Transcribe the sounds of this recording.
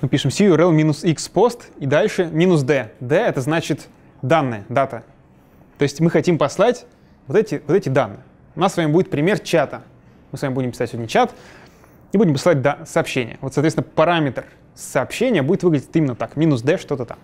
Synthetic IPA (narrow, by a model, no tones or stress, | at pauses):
mɨpʲiʂɨmsʲiʊɾɛlˠmʲinʊsikspo̞st̪id̪alʲʂɨmʲinʊsd̪ɛd̪ɛɛt̪əznat͡ɕɪt̪ | d̪anːɨjəd̪at̪ə | t̪o̞ɪsʲtʲmɨxɐtʲimpɐslˠatʲ | vot̪ɛtʲɪvot̪ɛtʲɪd̪anːɨ̰jə | ʊnasːvamʲɪbudʲɪt̪pɾʲɪmʲert͡ɕat̪ə | mɨsvamʲɪbudʲɪmpʲɪsatʲsʲɪonʲət͡ɕat̪ | nʲɪbudʲɪmpəslˠat̚ʲd̪asɐːpɕːenʲɪ̰jə̰vot̪sɐt̪ʲest̪ʲnəpɐɾamʲɪt̪r | səːpɕːenʲɪjəbudʲɪt̪vɨɡlʲɪdʲɪtt̪imʲɪnːət̪akmʲinʊsd̪ɛʂt̪o̞t̪ət̪a̰m